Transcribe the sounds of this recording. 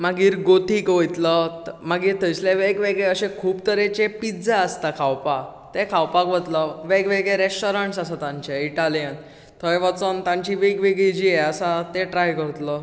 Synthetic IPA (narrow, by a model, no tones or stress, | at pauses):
maɡiːɾɡot̪ikʋojt̪ləmaɡiːɾt̪əjsleʋeɡʋeɡɭeəɕẽkʰuːbt̪əɾet͡ɕepid͡zaəst̪akʰawpat̪ekʰawpakʋət̪ləʋeɡʋeɡɭeɾesʈoɾaɳʈsasat̪ãɲt͡ɕaiʈalijən | t̪ʰəeʋət͡sənt̪ãɲt͡ɕiʋeɡʋeɡɭid͡ʑiːɛasat̪eʈɾajkəɾt̪lə